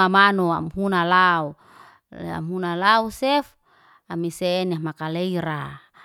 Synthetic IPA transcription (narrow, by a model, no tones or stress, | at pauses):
amanoa̰mhunalau | a̰mɦunalausɛf | amisenamakaleiɾa